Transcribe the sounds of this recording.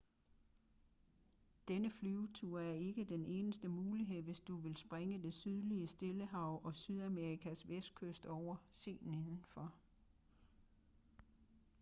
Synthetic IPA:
d̥enəflyʊt͡sʰuɐ̰æɐe̝ɡ̥əd̥ene̝ːnəsd̥əmuːliɦe̝ð̞̰ˠʋe̝sd̥uʋe̝lsb̥ʁeŋəd̥e̝syð̞ˠliəsd̥e̝ləɦɑ̈ʊʔɒ̽syð̞ˠæmeʁikʰæsʋesd̥̚kʰøsd̥ɒʊ̰ɐse̝̰ːnn̩eðˠn̩fɒ̽

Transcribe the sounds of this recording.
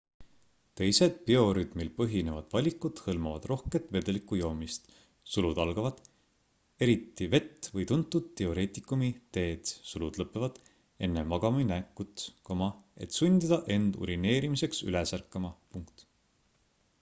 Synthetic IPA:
t̪e̞jse̞d̪̥̚pio̞ɾyt̪milpɤɦine̞vɑd̪̥vɑlʲikːˑud̪̥hɤlmɑvɑ̰d̪̥ro̞hket̪ˑve̞d̪e̞likːˑujo̞ːmist̪ | sulud̪̥ɑlɡ̥ɑvɑd̪̥ | e̞ɾit̪ːive̞t̪ːvɤjt̪unt̪ːˑud̪̥e̞o̞ɾe̞ːt̪ˑikˑumit̪e̞ːd̪̥sulud̪̥lɤpːˑevɑd̪̥ | e̞nːe̞mɑɡ̥ɑminækːˑut̪komɑe̞̰t̪sund̪id̪̥ɑʔe̞nd̪̥ṵɾine̞ːɾimise̞ksy̰lesærkːˑɑmɑpuŋkt̪

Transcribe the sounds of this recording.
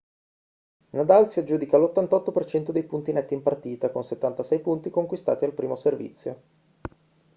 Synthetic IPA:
nad̪alsiad͡ʒuːd̪ikalot̪ːant̪ɔt̪ːopert͡ʃɛnt̪od̪ejpunt̪inɛt̪ːimpart̪iːt̪akonset̪ːant̪asɛjpunt̪ikoŋkwist̪a̰ːt̪ialpɾiːmoservḭt̪sːjo̰

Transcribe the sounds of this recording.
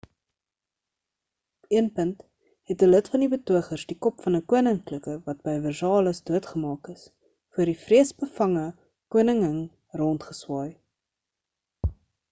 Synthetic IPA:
iənpənt | ɦɛtələtfɐndibətuəχərsdikɔpfɐnəkuənəŋkləkəvɐt̚bəjvərsɑːləsduətχəmɑːkəs | fuərdifriəsbəfɐŋə | kuənəŋəŋ | rɔntχəswɑːj

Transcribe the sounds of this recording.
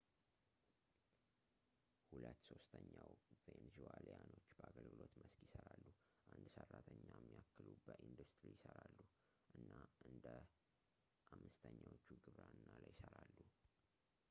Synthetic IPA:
hulət̪ːso̞st̪ʰəɲːawvenzualjano̞t͡ʃːbəaɡəlɡɨlo̞t̪məskjɪsəɾalːu | ʔand̪sərːat̪ʰəɲːamːiakːɨlubəʔind̪ust̪ɾijɪsəɾalːu | ʔɨnːaʔɨnd̪ə | ʔamːɨst̪ʰəɲːawot͡ʃːuɡɨβɾanɨnːalajɪsəɾalːu

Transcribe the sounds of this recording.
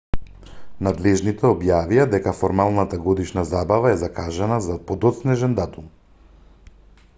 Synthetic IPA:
nad̪lɛʒnit̪ɛɔbjavijad̪ɛkafɔɾmalˠnat̪aɡɔd̪iʃnazabavaɛzakaʒɛnazapod̪ɔt̪snɛʒɛnd̪at̪um

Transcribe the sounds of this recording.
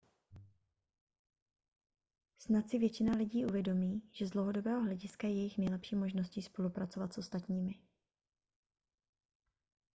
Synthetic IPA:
snat̪sɪvjɛt͡ʃɪnalɪɟiːʔuvjɛdo̞miːʒɛzdlowɦodo̞bɛːɦoɦlɛɟɪskajɛjɛjɪxnɛjlɛpʃiːmo̞ʒnosciːspo̞lupɾat̪sovat̪sʔo̞st̪at̪ɲiːmɪ

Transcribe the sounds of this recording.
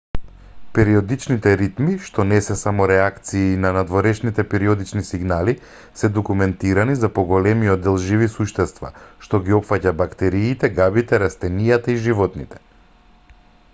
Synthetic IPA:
pɛɾiɔd̪it͡ʃnit̪ɛɾit̪miʃt̪ɔnɛsɛsamɔɾɛakt̪siːnanad̪vɔɾɛʃnit̪ɛpɛɾiɔd̪it͡ʃnisiɡnali | sɛd̪ɔkumɛnt̪iɾanizapɔɡɔlɛmiɔd̪d̪ːɛlˠʒivisuʃt̪ɛst̪va̰ʃt̪ɔɡiɔpfacabakt̪ɛɾiːt̪ɛɡabit̪ɛɾast̪ɛnijat̪aiʒivɔt̪nḭt̪ɛ̥

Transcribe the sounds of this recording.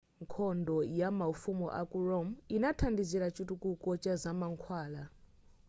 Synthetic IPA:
ŋkʰɔndɔjamafumɔ̰ʔa̰kʼurɔminatʰandiziɾat͡ʃʼutukʼukʼɔt͡ʃʼazamaŋkʰwaːla

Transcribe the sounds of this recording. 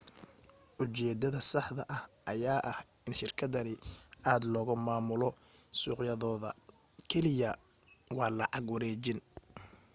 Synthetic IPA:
ʔʊt͡ʃɛːd̪ɐðɐsɑħðɐʔɐhʔɐjaːʔɐh | ɪnʃɪrkʰɐðɐnɪʔaːd̪lɔːɣʊmaːmʊlɔ | suːqjɐðɔːðɐ | kʰɛlɪjɐ | wɑːlɑʕɑɡwɐɾɛːt͡ʃɪn

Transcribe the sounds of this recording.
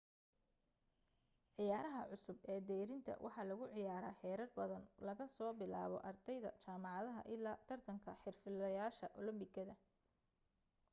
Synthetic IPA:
ʕɪjaːɾɐɦɐʕʊsʊbɛːd̪ɛːɾɪnt̪ʰɐ̰wʔɑ̰ħɑːlɐɣʊʕɪjaːɾaːħɛːɾɐrbɐðɐnlɐɣɐsɔːbɪla̰ːβɔ̰ʔɐrd̪ɛjðɐ̰t͡ʃaːmɑʕɑðɐɦɐ̰ʔɪlːaːt̪ʰɐrt̪ʰɐŋkʰɐħɪrfɪlɐjaːʃɐʔɔlɐmbɪkʰɐðɐ

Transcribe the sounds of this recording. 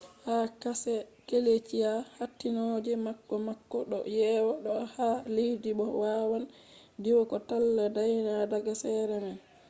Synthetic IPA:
hakasɛkelet͡ʃijahatːinod͡ʒɛmakːɔmakːɔɗɔ̰jɛːwaɗɔhalihdiɓɔwawan | diwɔkɔtalːadajnadaɡasɛːɾɛmɛn

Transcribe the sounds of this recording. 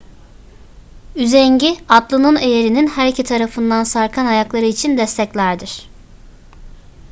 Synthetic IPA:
yzɛɲɟiad̪lˠɯnɯne̞jeɾininhæɾcʰit̪ʰaɾafɯnd̪ansaɾkʰanajaklˠaɾɯit͡ʃʰind̪ɛst̪ʰɛclʲæɾd̪iɾ̥

